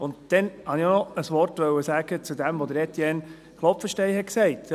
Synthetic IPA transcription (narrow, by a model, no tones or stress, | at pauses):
ʊndd̥ɛnhɑnionɔəsʋɔrtʋœwəsæːɡ̥ət͡sud̪æmʋɔd̪əɾɛt̪jɛn | χlɔp̪fəʃtɛɪhɛtksɛɪt